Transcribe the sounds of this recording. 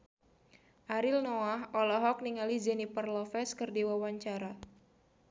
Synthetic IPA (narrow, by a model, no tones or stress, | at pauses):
ʔaɾilnɔaɦɔlɔɦɔk̚niŋalid͡ʒɛnipərlɔfɛskɨrdiwawaɲt͡ʃaɾa